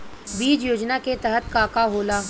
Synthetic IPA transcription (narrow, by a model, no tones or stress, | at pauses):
biːd͡ʒjoːd͡ʒnaket̪əɦət̪̚kaːkaɦoːlaː